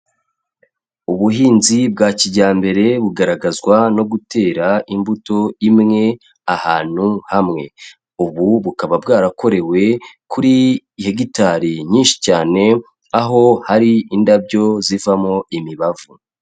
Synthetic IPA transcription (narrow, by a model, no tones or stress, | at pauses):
uβuɦiːnzibɡaːciɟaːmbe̞ɾe̞βuɡaɾaɡazɡwano̞ɡutʰe̞ːɾaʔimbuto̞imŋe̞ | ahaːn̥huhamŋe̞ | uβuβukaβabɡaːɾako̞ɾe̞we̞kʰuɾi | he̞ɡitaɾiɲiːnʃi̥caːne̞ | aɦo̞haɾiindabɟo̞zivamoimiβavu